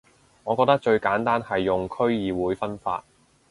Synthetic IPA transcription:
ŋɔː˨˧kɔː˧k̚t̪k̚t͡ʃɵ˧ɥkaː˨˥nt̪aː˥nhɐ˨jːʊ˨ŋkʰɵ˥ɥjiː˨wuː˨˥jfɐ˥nfa̰ː˧t̚

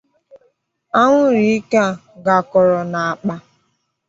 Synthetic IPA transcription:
a˦ŋʷʊ˦ɾi˨˦ka˦˨ | ɡa˨kɔ˨ɾɔ˨na˨a˨k͡pa˦

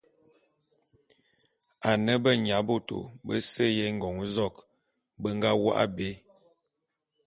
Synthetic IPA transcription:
a˨nə˦bə˦ɲ˨a˨˦bo˦to̰˨bə̰˦sə˦jɛ˦ŋ̩˨ɡɔ˨ŋ˦zɔ˦˨k | bə˦ŋ˦ɡa˦wa̰˦ʔa̰˦be˦

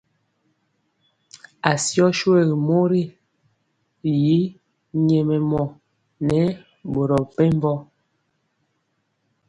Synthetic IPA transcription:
a˨sjɔ˦ʃwe˦˨ɣi˨mo˦ɾi˦˨ | ji˨˦ | ɲe˨mɛ˨mɔ˨ | nɛ˨˦ | bo˨ɾɔ˨pɛ˦m˦bɔ˦

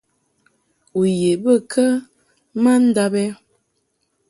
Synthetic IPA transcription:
u˨je˨bə˦˨kʰə˦ | ma˦n̩˦da˦bɛ˦

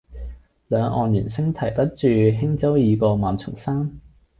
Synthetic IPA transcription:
lœː˨˧ŋɔː˨njyː˨˩nsɪ˥ŋt̪ʰɐ˨˩jp̪ɐ˥t̚t͡ʃyː˨ɦɪ˥ŋt͡sɐ˥wjiː˨˧kɔː˧maː˨nt͡sʰʊ˨˩ŋsaː˥m

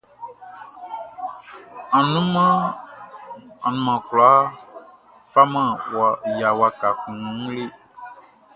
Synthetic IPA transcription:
ã˨nũ˦mã˦ | a˨nũ˨mã˨klɔ˨a˦ | fa˦mã˦wa˨ja˨wa˨ka˨kũ˨nũ˨ŋũ˦le˦

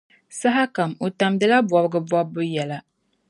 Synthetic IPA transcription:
sa˦ɦa˦ka˨mo˨ta˨mdɨ˦la˦bɔ˨bɨ˦ɡɨ˦bɔː˦ɨ˦jɛ˨la˨

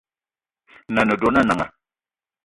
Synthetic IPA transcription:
na˨nə˨do˨˦na˦˨na˨ŋa̰˨

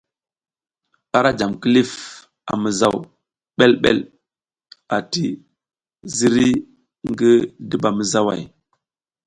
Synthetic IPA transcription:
a˦ɾa˦d͡ʒa˨mki˦li˦f | a̰˨mə˨za˦w | ɓe˦lɓḛ˦˨l | a˨ti˦ | zi˦ɾi˦ | ŋɡi˦di˦˨ba˨mə˨za˦wa̰˨j

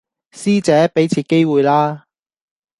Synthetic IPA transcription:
siː˥t͡sɛː˨˥pe˨˥jt͡sʰiː˧ke˥jwuː˨jlaː˥

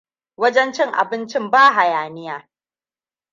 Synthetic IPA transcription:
wɐ˦d͡ʒɛ˦nt͡ʃɪ˦ŋʔa̰˨bɪ˦nt͡ʃɪ˦mbaː˦ɦa˨jaː˨nɪ˦jaː˦

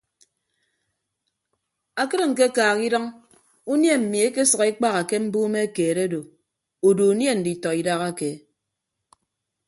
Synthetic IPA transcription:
a˨kɨ˦ɾŋ̩˨k̬e˦kaː˨ɣi˦dʌ˦ŋ | u˦nje˦m̩˨mi˨e˦ke˦sʌ˨ɣi˦k͡pa˦ɣa˨ke˦m̩˦buː˦me˦e˦keː˨ɾe˦do˨ | o˨do˨u˨nje˦n̩˨di˨tɔ˨i˨da˦ɣa˦ke˨˦

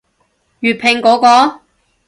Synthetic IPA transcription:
jyː˨t̚pʰɪ˨˩ŋkɔː˨˥kɔː˧

